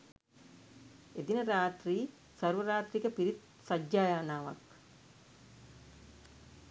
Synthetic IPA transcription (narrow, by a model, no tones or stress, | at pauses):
ed̪inəɾaːt̪riː | sɐɾʋəɾaːt̪ɾikəpiɾit̪ | sad͡ʒd͡ʒaːjaːnaːʋak